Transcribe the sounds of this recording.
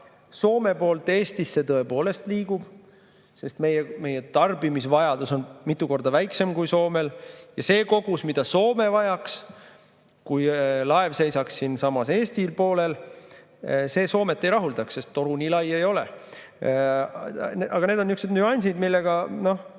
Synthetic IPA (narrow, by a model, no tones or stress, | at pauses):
so̞ːme̞po̞ːlt̪ːˑe̞ːst̪isːe̞t̪ɤ̞e̞po̞ːle̞st̪liːɡ̥ub̥ | se̞st̪me̞jeme̞jet̪ɑrbimisvɑjɑd̪uso̞nmit̪ːˑuko̞rd̪ɑvæjkse̞mkujso̞ːme̞ljɑse̞ːko̞ɡ̥usmid̪̥ɑso̞ːme̞vɑjɑks | kujlɑe̞vse̞jsɑksːinsɑmɑse̞ːst̪ilpo̞ːle̞l | se̞ːso̞ːme̞t̪ːˑe̞jɾɑɦuld̪ɑksːe̞st̪ːo̞ɾuniːlɑjejo̞lḛ | nɑɡ̥ɑne̞ːd̪onːyksned̪nyɑnʲsid̪milːeɡ̥ɑno̞h